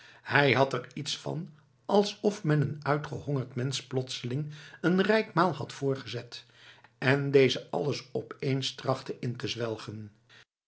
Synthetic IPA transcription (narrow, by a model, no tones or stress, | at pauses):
hɛjɦɑtɛritsfɑ̰n | ɑlˠsɔfmɛnənœɥtχəhɔŋəɹtmɛnsplɔtsəlɪŋənrɛjkmaːlˠɦɑtfʊːɹχəzɛt | ʔɛndejzəɑ̰ləsɔpejnstrɑχtəʔɪntəzʋɛlˠχən